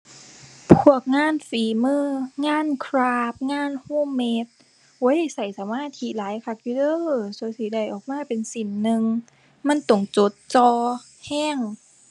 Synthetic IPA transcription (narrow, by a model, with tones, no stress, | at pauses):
pʰu˧˥˩ək̚ŋaː˧˥˨nfiː˨˦mɯː˧˥˨ŋaː˧˥˨nkʰɾaː˧˥p̚ŋaː˧˥˨nhuː˧˥˩mːe˧˥t̪̚ | wo˧˦jjsa˨˩jsa˨˦maː˧˥˨t̪ʰi˧˦laː˨˦jkʰa˧˥k̚juː˧dɤː˧˥˩su˧˦siː˧˦da˧˩jʔɔː˨˩k̚maː˧˥˨pe˨nsi˨˦nːɯ˧ŋ | ma˧˥˨nt̪o˨˩ŋt͡ɕo˧˦t̪̚t͡ɕɔː˧ | hɛː˧˥˨ŋ